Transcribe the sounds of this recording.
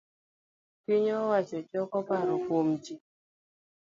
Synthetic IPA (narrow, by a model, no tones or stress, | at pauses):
kiɲɔwat͡ʃɔt͡ʃɔkɔpaɾɔfomd͡ʒi